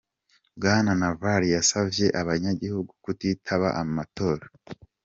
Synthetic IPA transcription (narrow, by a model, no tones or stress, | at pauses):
bɡaːnanavaɾijasavje̞ʔaβaɲaɟihuɡukutitʰaβaʔammato̞ːɾa